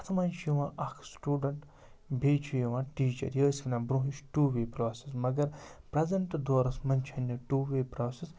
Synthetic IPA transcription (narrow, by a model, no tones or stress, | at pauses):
ɐt̪ʰmɐnt͡ʃʰjiʋãːʔɐkʰsʈuːɖɐɳʈ | bʱeːt͡ʃʰujɐʋãːʈiːt͡ʃɐ̰ɾjəːsknãːbɾuɦiʃʈuːʋeːpɾaːsesmɐɡɐɾpɾɐzɐɳʈd̪oːɾɐsmɐnʲt͡ʃʰɐnʲːɐʈuːʋeːpɾoːses